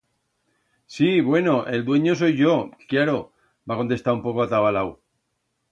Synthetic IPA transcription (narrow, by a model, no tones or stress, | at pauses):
siβwe̞no̞ʔe̞ld̪we̞ɲo̞s̬o̞jʝo̞kjaɾo | bako̞nt̪e̞st̪aɾumpo̞ko̞at̪aβalaw